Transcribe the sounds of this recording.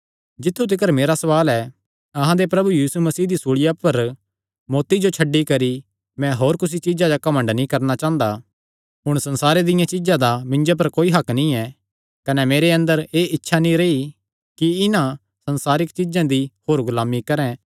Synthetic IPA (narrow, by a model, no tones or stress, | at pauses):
d͡ʒɪt̪ʰːut̪̬ɪkəɾmeːɾasɐʋaːlɛ | ɐɦãd̪epɾɐbujiːsumɐsiːɦd̪isuɭɪjapɐɾ | mɔːt̪id͡ʒot͡ʃʰɐɖːikɐɾi | mɛ̃ɦoːɾkʊs̬it͡ʃɪd͡ʒad͡ʒakɐmə̃ɳɖnĩkɐɾnat͡ʃãːnd̪a | ɦʊɽ̃sɐ̃nsaːɾed̪ɪjãt͡ʃɪd͡ʒãd̪amɪ̃ɲd͡ʒap̬ɐɾkoːiɦɐknĩɛ | kɐnɛmeːɾeɐ̃nd̪əɾeːʔɪtːʃʰanĩɾei | kiɪnã | sɐ̃nsaːɾɪkt͡ʃɪd͡ʒãd̪ihoːɾɡʊlaːmikɐɾɛ̃ː